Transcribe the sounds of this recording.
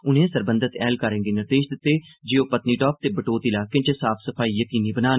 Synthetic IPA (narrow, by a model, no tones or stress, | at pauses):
ʊnẽːsəɾbə̃nd̪ət̪ɛːlkəɾə̃ːɡeːnɪɾd̪eːʃd̪ɪt̪ːeːd͡ʒɪoːpət̪niːʈɔːp̚t̪eːbəʈoːt̪iːlaːkɪ̃nt͡ʃesaːpʰsəpʰaːiːjəkiːniːbənaːn